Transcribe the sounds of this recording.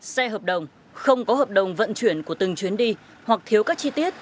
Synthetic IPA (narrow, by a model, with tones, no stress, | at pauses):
sɛ˧ɦəː˨˩p̚ɗə˨˩wŋ͡m | xə˧wŋ͡mkɔ˨˦ɦəː˨˩p̚ɗə˨˩wŋ͡mvə̰˧˨nt͡ɕwi˧˩ənku˧˩ət̪ɨ˨˩ŋt͡ɕwi˨˦ənɗi˧ | hwa˨˩k̚t̪ʰi˨˦əwkaː˦˥k̚t͡ɕi˧t̪i˦˥ət̚